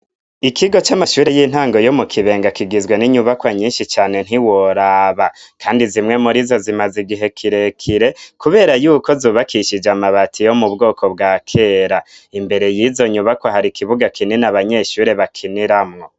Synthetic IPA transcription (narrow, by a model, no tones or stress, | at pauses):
ikʰiɡo̞t͡ʃamaʃuːɾejiːn̥haːŋɡo̞jo̞mukʰiβe̞ːŋɡakiɡizɡwe̞niɲuβakwaɲiːnʃit͡ʃaːne̞n̥ɦiwo̞ɾaβakʰaːndizimŋe̞muɾizo̞zimaziɡiɦe̞kʰiɾekʰiɾe̞kuβe̞ːɾajuːko̞zuːβakʰiʃid͡ʒamaβatʰijo̞mubɡo̞ːkʰo̞bɡaːkʰe̞ɾaimbe̞ɾe̞jizo̞ɲuβakwoɦaɾikiβuɡakʰininaβaɲe̞ːʃuːɾe̞βakʰiniɾamŋo̞